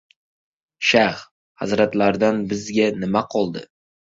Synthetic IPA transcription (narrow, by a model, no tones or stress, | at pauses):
ʃah | ha̰zɾat̪laɾd̪anbɪzɡʲanɪmaqʰɒlˠd̪ɪ̰